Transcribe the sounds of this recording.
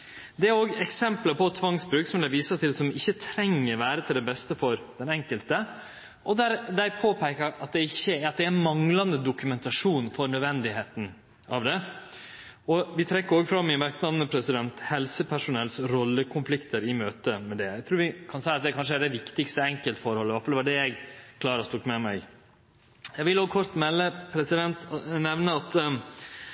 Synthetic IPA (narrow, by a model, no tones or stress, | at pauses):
d̪ɛæɾoːɡɛksɛmpləpɔt̪ʰʋɑŋsbɾʉːksɔmlæʋiːsət̪ʰɪlsɔmɪçːət̪ʰɾɛŋːəɾʋæːɾət̪ʰɪld̪ɛbɛst̪əfɔɾd̪̥ɛnɛŋkəlt̪ə | ʔɔd̪æɾd̪æɪpʰoːpʰæɪkəɾɑt̪̚d̪ɛɪçːəɑt̪̚d̪ɛænmɑŋlɑnd̪əd̪ʊkʉmɛnt̪ɑʂuːnfɔɾnœd̪ʋɛnd̪ɪheːt̪n̩ | ʔɑ̰ʋd̪ɛ | ɔʋɪt̪ʰɾɛkːəɾoːɡfɾɑmːɪnʋɛɾknɑmnəpʰɾɛsɪd̪ɛnt̪hɛlsəpʰæʂʊnɛlsɾɔlːəkʰʊnflɪkt̪ʰəɾɪmøːt̪əmɛd̪ɛæɪɡt̪ʰɾuːɾʋɪkʰɑnsæɪɑt̪̚d̪ɛkʰɑnʂ̬əæɖɛʋɪkt̪ɪkst̪əɛŋkəlt̪əfɔɾhɔlːəʋæʈfɑlɛʋɑɖɛjæɪɡkʰlɑːɾɔst̪ukːmɛmæɪɡ | jæɪɡʋɪloːɡkʰɔɾt̪mɛlːəpʰɾɛsɪd̪ɛnt̪nɛʋnəɑt̪